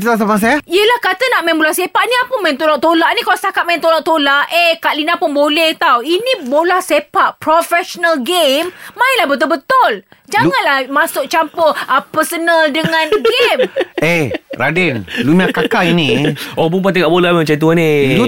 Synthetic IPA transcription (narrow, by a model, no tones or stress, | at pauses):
t̪uas̬apaŋs̬ajaiəlahkat̪anaʔmaɛnbolahsepaʔniapʊnmant̪olaʔt̪olaʔnikalast̪akat̪ʔ̚maɪnt̪olaʔt̪olaʔekaʔlinapʊnbolɛht̪awinĩbolahsepaʔpɾofɛʃonəlɡemːaɪnlahbət̪ʊlbət̪ʊld͡ʒaŋanlahmasʊk̚t͡ʃampɔəpərsənəldəŋãnɡemehɾadɛnlumakakainiobump̬at̪̬iŋaʔbolamɛmt͡ʃait̪̬uani